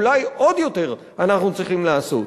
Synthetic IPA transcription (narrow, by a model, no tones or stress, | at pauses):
lajod̪jot̪eʁ | anaχnut͡sʁiχimlaaso̰t